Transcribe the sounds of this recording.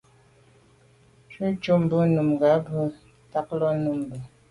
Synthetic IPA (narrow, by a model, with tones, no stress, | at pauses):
t͡ʃə˦t͡ʃo˦m̩˨bə˦nu˨mɡa˨˦bə˦ | ta˦k̚lɔ˦nu˨m˨bə˨